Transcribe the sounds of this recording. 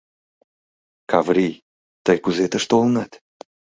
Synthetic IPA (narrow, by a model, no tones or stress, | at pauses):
kʰavɾi | t̪əjkuzet̪əʃt̪olˠnat̪